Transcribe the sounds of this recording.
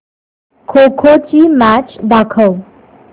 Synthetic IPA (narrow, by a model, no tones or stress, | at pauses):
kʰokʰot͡ɕimat͡ɕd̪akʰəw